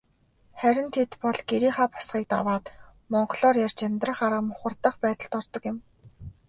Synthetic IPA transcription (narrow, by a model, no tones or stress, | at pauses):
χæɾʲɪ̆nt̪ʰet̪pɔɮɡeɾiːχaːpʊ̥sɢiːk̚t̪a̰waːt̪ | mɔɴɢɞ̆ɮɔːrjart͡ɕemʲt̪rə̆χaɾə̆mʊχʊ̆rt̪ə̆χpæːt̪ə̆ɮt̪ɔrt̪ɞ̆kjɪ̆m